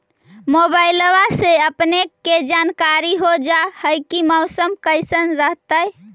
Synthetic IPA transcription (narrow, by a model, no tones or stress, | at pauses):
mobaɪləʋaseəpnekːed͡ʒankaɾiɦod͡ʒahəjkiməʊsəmkəɪsənɾəɦt̪əj